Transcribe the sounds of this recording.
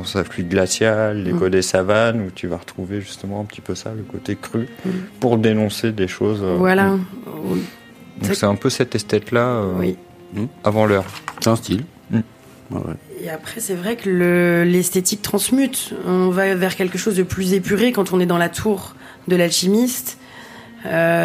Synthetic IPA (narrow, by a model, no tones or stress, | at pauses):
ɔ̃saflyɡlasjalːekɔd̪esavanut̪ʰyvaʁət̪χuveʒyst̪əmɑ̃ɛ̃pət̪i̥pøsa̰ləkot̪ekχypuʁd̪enɔ̃sed̪eʃozøvwalawi | d̪ɔ̃ksɛɛ̃pøsɛt̪ɛst̪ɛt̪laøwi | avɑ̃lœʁsɛɛ̃st̪il | m̩̰ | wɛ̰eapχɛsɛvʁɛkələlɛst̪et̪ik̚t̪χɑ̃smyt̪ɔ̃vavɛʁkʲɛlkəʃozd̪əplyzepyʁekɑ̃t̪ɔ̃nɛd̪ɑ̃lat̪ʰuʁ | d̪əlalʃimist̪ | ø